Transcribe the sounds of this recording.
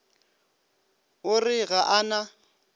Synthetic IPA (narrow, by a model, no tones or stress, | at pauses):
ʊrɪɣaʔana